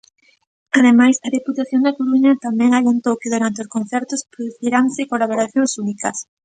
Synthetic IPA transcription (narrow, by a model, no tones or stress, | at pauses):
aðemajsɐðiput̪aθjoŋd̪akoɾuɲɐt̪amɛ̃ŋalent̪owkɪðuɾant̪eʊskõn̟θɛɾt̪ʊspɾoðuθiɾaŋsɪkolaβoɾaθjoŋsunikɐs